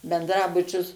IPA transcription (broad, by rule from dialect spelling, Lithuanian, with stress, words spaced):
bʲɛndˈrɑːbʊt͡ʃʲʊs